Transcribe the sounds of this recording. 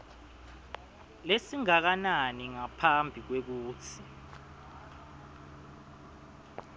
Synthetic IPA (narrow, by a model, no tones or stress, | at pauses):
lesiŋak̬ananiŋapʰambʱik̬wek̬uːtʰi